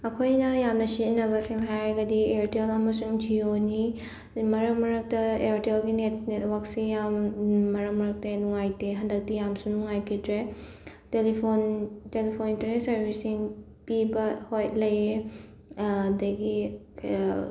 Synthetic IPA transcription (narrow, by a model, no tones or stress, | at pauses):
ɐkʰojnɐjamnɐsinɐbɐsiŋɦajɾɐɡɐdieɾtelɐmɐsuŋd͡ʒioni | mɐɾɐk̚mɐɾɐk̚tɐeɾtelɡinet̚netwɐksijamːɐɾɐk̚mɐɾɐk̚tɐnuŋajteɦɐndɐk̚tijamsunuŋajkʰitɾe | telipʰontelipʰonintɐɾnet̚sɐɾbʱisiŋ | pibɐhojlɐje | dɐɡi